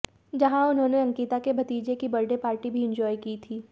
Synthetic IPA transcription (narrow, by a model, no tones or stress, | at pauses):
d͡ʒɐɦãʊnɦõːneɐ̃ŋkiːt̪akebʱɐt̪iːd͡ʒekibɐɾɖepaːɾʈibʱiɪ̃ɲd͡ʒɔːjkiːt̪ʰiː